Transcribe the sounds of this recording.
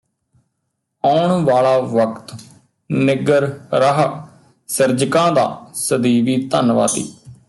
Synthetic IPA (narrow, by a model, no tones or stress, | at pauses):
aːɳʋaːɭaːʋəkt̪ | nɪɡəɾɾəɦ | səɾd͡ʒkãːd̪a̰ːsəd̪iːʋiːt̪ənʋa̰ːt̪ḭː